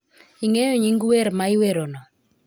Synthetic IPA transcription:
iŋejoɲiŋɡweɾmaiweɾonɔ

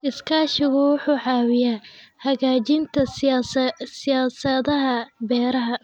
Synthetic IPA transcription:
ʔɪskʰaːʃɪɣʊwɑħuːʕɑːwɪjahɐɣaːt͡ʃɪnt̪ʰɐ | sɪjaːsɐðɐɦɐbɛːɾɐɦɐ

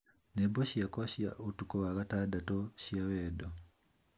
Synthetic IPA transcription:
neboʃjakoɕja̰ʔotukoβaɣatadatoʃjaβedo

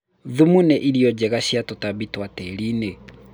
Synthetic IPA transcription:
ðumunɛʔiɾiɔd͡ʒɛɣaɕiatɔtaβitwatɛɾine

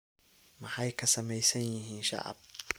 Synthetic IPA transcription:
mɑħɑjkʰɐsɐmɛjsɐnjɪɦiːnʃɑ̰ʔɑ̰b̚

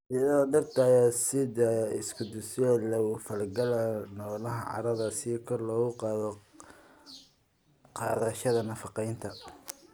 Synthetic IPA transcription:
ad̪ɐrt̪ʰaːjɔsɪðɐɪskʰʊd̪ʊsɛlɐwʊfɐlɡɐlɐnɔlɐɦɐʕɑ̰ɾɐðɐsikʰɔrlɔːɣʊqɑːðɔ | qɑ̰ːðɐʃɐðɐnɐfɑqɛjnt̪ʰɐ

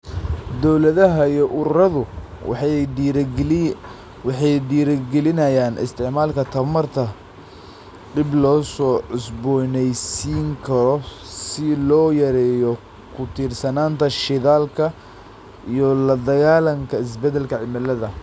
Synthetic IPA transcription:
d̪ɔwlɐðɐɦɐijɔʔʊɾɐðʊ | wɑħɑjɖiːɾɐɡɛlɪnɐjaːnɪ̰st̪ʰɪʕmaːlkʰɐt̪ʰɐmɐrt̪ʰɐ | d̪ɪblɔːsɔːʕʊsbɔnɛjsiːŋkʰɐɾɔ | sɪlɔːjɐɾɛːjɔ | kʰʊt̪ʰiːrsɐnaːnt̪ʰɐʃɪðaːlkʰɐ | ijɔlɐd̪ɐɣaːlɐŋkʰɐɪs̬bɛd̪ɛlkʰɐʕɪmɐlɐðɐ

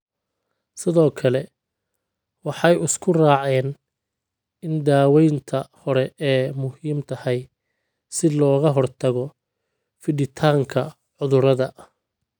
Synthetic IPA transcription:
sɪðɔːkʰɐlɛ | wɑħɑjʊskʰʊraːʕɛːn | ɪnd̪aːwɛjnt̪ʰɐhɔɾɛɛːmʊhiːmt̪ʰɐhɛj | sɪlɔːɣɐɦɔrt̪ʰɐɣɔ | fɪɖɪt̪ʰaːŋkʰɐ | ʕʊðʊɾɐðɐ

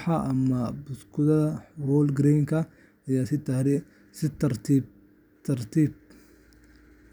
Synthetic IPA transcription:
ħɑʔɐmɐbʊskʰʊðɐðɐwɔːlɡɾɛŋkʰɐ | ɐjaːsɪt̪ʰaːɾɪ | sɪt̪ɐrt̪ʰi | t̪ʰɐrt̪ʰiːb̚

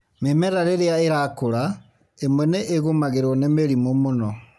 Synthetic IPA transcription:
memɛɾaɾeɾeaeɾakoɾa | emwɛneʔːɣomaɣeɾwɔnemeɾimomonɔ

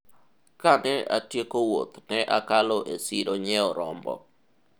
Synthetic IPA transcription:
kanɛa̰tjekowot̪nɛʔakalɔʔesiɾoɲɛɔɾɔmbɔ̰

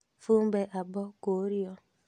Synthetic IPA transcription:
fum̩beʔabɔkoɾiɔ

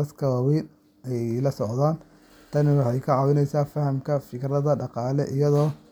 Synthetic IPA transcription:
ɐskʰɐwaːwiːn | ɛjlɐsɔʕðaːn | t̪ʰɐnɪwɑħɑjkʰɐʕɑːwɪnɛjsaːfɐhɐmkʰɐfɪkrɐðɐɖɑqɑːlɛ̰ʔɪjɐðɔː

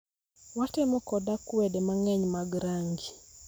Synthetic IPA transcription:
watɛmɔkɔdakuwɛdɛmaŋɛɲmaɡɾaŋɡi

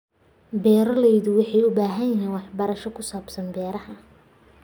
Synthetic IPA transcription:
bɛːɾɐlɛjðʊwɑħɑjʊbaːɦɐnjɪɦiːnwɑħbɐɾɐʃɔkʰʊsaːbsɐnbɛːɾɐhɐ

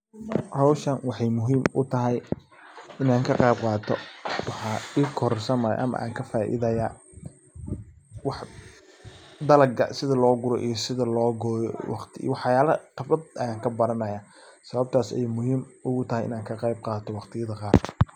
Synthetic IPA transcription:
hɐwʃɐnwɑħɑjmʊɦiːmʊt̪ʰɐɦɛj | ɪnaːŋkʰɐqɑjb̚qɑːt̪ʰɔwɑħɑːiːkʰɔɾɔrsɐnmɐj̰ʔɐ̰mɐ̰ʔa̰ːŋkʰɐfaːʔɪ̰ðɐjaː | wɑħ | d̪ɐlɐɡɐ̰sɪðɐlɔːɡʊɾɔʔḭjɞsɪðɐlɔːɡɔːjɔ̰wɑqt̪ʰɪwɑħjaːlɐq̪ɐfɐd̪ɐjaːŋkʰɐbɐɾɐnɐjaː | sɐβɐb̚t̪ʰaːsɛ̰jmʊɦiːmʊɣʊt̪ʰɐɦɛjɪ̰naːŋkʰɐqɛjb̚qɑːt̪ʰɔwɑqt̪ʰɪjɐðɐqɑːr

